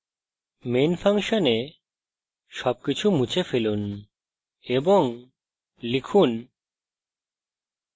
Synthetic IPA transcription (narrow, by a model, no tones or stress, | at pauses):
menfʰaŋʃone | ʃɔb̚kit͡ɕʰumũt͡ɕefelun | eboŋ | likʰun